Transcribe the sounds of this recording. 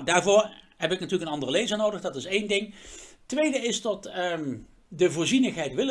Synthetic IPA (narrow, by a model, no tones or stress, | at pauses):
daːɹvʊːɹɦɛpɪknatyːɹləkənɑndərəlejzəɹnowdəχdɑtɪsejndɪŋtːʋejdəɪstɔt | dəvʊːɹzinəxɦɛjtʋɪl